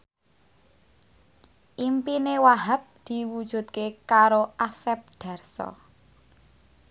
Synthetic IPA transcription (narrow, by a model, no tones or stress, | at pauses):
ʔimpinewaɦa̤p̚d̪̥i̤wud̥ʒ̥ṳt̪̚kekaɾoʔasɛp̚ɖ̪̥a̤rsɔ̰